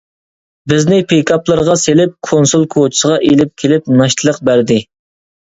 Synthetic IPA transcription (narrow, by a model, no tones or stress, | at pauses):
bɪznɪpʰekʰɑplˠəɾʁɑselɪp̚kʰonsulˠkʰot͡ʃʰi̥səʁɑʔelɪp̚kʲʰelɪp̚nɑʃt̪ʰlˠəq̚bæɾd̪ɪ